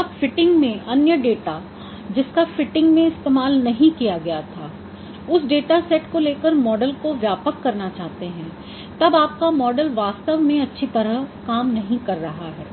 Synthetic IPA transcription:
aːpfɪʈɪ̃ŋɡmẽʔɐnjəɖeːʈa | d͡ʒɪskafɪʈɪ̃ŋɡmẽɪst̪eːmaːlnɐɦĩkijaɡɐjat̪ʰaː | ʊsɖeːʈasɛʈkoleːkəɾmɔːɖəlkoʋjaːpəkːɐɾnat͡ʃaːɦt̪eɦɛ̃ | t̪ɐbaːp̚kamɔːɖəlʋaːst̪əʋmẽɐtːʃʰit̪ɐɾəkaːmnɐɦĩkɐɾːɐɦaɦɛː

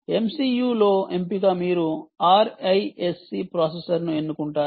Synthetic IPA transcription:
e̞msijuːlo̞ːe̞mpiɡaːmiːɾuaːɾɐjesːipɾaːsesɐɾnue̞nːukuɳʈaː

